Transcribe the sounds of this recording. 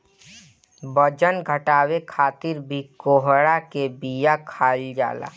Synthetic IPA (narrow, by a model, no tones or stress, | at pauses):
bəd͡ʒənɡʱəʈaːwekʰaːt̪ɪɾbʱikoːɦɽakebijakʰaːld͡ʒa̰ːla̰ː